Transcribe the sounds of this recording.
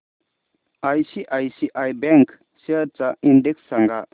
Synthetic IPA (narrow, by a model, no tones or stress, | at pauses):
ajsiʔajsiʔajbɛŋk | siəɾt͡saindeksːaŋɡa